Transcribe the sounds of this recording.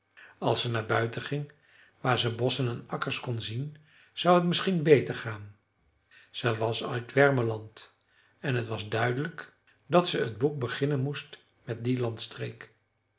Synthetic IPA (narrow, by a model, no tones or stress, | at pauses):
ɑlˠsənaːɹbœɥtəχɪŋ | ʋaːɹzənbɔsənɛnɑkəɹskɔnzin | z̥ɑwətmɪsχinbejtəɹχaːn | səʋɑsa̰ɥdʋɛɹməlɑnt | ɛnɦətʋɑzdœɥdələk | dɑtsəədbuk̚bəχɪnənmust | mɛt̚dilɑntstrejk